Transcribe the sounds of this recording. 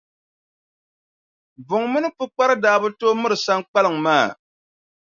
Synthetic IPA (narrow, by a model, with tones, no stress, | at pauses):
bʊ˨ŋmɨ˦nɨ˦pɨ˦k͡pa˦ɾɨ˦daː˦bɨ˦toː˦mɨ˦ɾɨ˨sa˦ŋk͡pa˦lɨ˨ŋ̩maː˦˨